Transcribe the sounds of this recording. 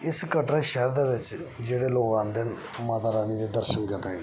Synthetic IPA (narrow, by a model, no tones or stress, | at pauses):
ɪskəʈɾãːʃɛːɾd̪eːʋɪt͡ʃd͡ʒeːɽeːloːkãːnd̪eːn | maːt̪aːɾaːniːd̪eːd̪əɾʃənkəɾd̪a